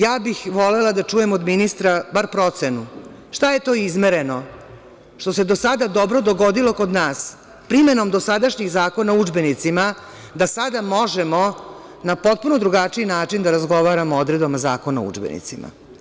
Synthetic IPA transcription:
jaːbixʋo̞lelad̪at͡ʂuje̞mod̪minist̪ɾabaɾpɾo̞t̪senu | ʃt̪aje̞t̪o̞ːizmeɾe̞no̞ | ʃt̪o̞se̞d̪osad̪ad̪o̞bɾo̞d̪o̞ɡo̞d̪ilo̞ko̞d̪naːs | pɾimeno̞md̪o̞sad̪aʃɲiɣzaːko̞naud͡ʒbe̞nit̪sima | d̪asad̪amo̞ʒemo̞ | napo̞t̪̚puno̞d̪ɾuɡat͡ʂiinaːt͡ʂind̪aɾazɡo̞ʋaːɾamood̪ɾed̪bamazaːko̞na̰ṵd͡ʒbḛnḭt̪sima̰

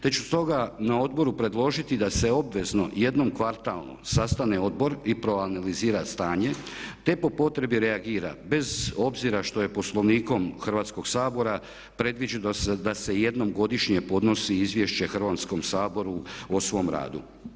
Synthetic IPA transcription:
t̪e̞t͡ɕust̪o̞ɡanao̞d̪bo̞ɾupɾe̞d̪lˠo̞ʒit̪id̪ase̞o̞bʋe̞zno̞je̞d̪no̞mkʋaɾt̪alˠno̰sast̪ane̞o̞d̪bo̞ɾipɾo̞analiziːɾast̪aːɲe̞t̪e̞po̞po̞t̪ɾe̞biɾe̞aɡiːɾa̰be̞zo̞bziɾaʃt̪o̞je̞po̞slˠo̞ʋniːko̞mxr̩ʋaːt̪sko̞ɡ̥saːbo̞ɾa | pɾe̞d̪ʋid͡ʒud̪d̪ase̞je̞d̪no̞mɡo̞d̪iʃɲe̞po̞d̪no̞siizʋje̞ʃt͡ɕe̞xr̩ʋat̪sko̞msaːbo̞ɾuosʋo̞mɾa̰ːd̪ṵ

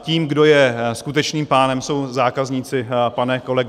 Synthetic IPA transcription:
ciːmɡdo̞jɛskut̪ɛt͡ʃniːmpaːnɛmso̞wzaːkazɲiːt͡sɪpanɛko̞lɛɡ

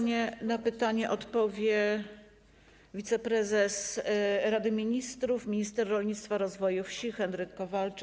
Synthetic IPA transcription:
ɛnapɘt̪aɲɛʔɔt̪pɔvʲjɛ | vʲit̪sɛpɾɛzɛsɾad̪ɘmʲiɲist̪ɾufmʲiɲist̪ɛɾːɔlɲit̪st̪faɾɔzvɔjufɕixɛnɾɘkːɔvalt͡ʂ

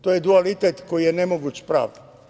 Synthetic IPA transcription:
t̪oːjed̪ualit̪et̪ko̞jijenemoɡuːt͡ɕpɾa̰ːʋd̪a

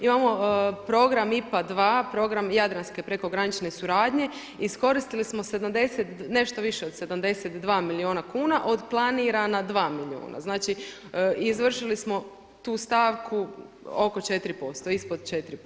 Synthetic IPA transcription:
imamo̞pɾo̞ɡɾamipad̪ʋaːpɾo̞ɡɾamjad̪ɾanske̞pɾe̞ko̞ɡɾanit͡ʃnesuɾaːd̪ɲe̞ | isko̞ɾist̪ilismose̞d̪amd̪e̞set̪ne̞ʃt̪oʋiʃe̞od̪se̞d̪amd̪e̞set̪d̪ʋaːmilioːnakuːnaʔo̞d̪plˠaniɾanad̪ʋaːmilio̰ːna̰znaːt͡ʃi | izʋr̩ʃilismo̞ | t̪uːst̪aːʋkʰu | o̞ko̞t͡ʃe̞t̪ɾipo̞st̪o̞ispod̪t͡ʃet̪ɾi

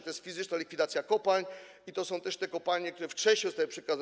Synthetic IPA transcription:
t̪ɔjɛst̪fʲizɘt͡ʂnalʲikfʲid̪at̪sʲjakɔpalɲ | it̪ɔsɔ̃w̃t̪ɛʂt̪ɛkɔpalɲɛk̚t̪uɾɛft͡ʂɛɕɲɛzɔst̪awɘpʂɛkaz

